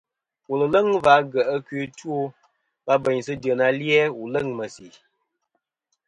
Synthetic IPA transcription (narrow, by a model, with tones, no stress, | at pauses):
u˨lə˨lə˦ŋva˨˦ɡə˨ʔə˦kɥe˨˦two˦ | pa˦bə˨ɲsɨ˦də˨na˨ljɛ˦u˨lə˦˨ŋmə˨si˨